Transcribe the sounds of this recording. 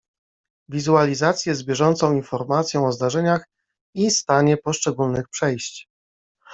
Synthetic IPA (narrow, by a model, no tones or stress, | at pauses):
vʲizualʲizat̪sʲjɛzbʲjɛʐɔnt̪sɔ̃w̃infɔɾmat̪sʲjɔ̃w̃ɔzd̪aʐɛɲax | ist̪aɲɛpɔʂt͡ʂɛɡulnɘxpʂɛjɕt͡ɕ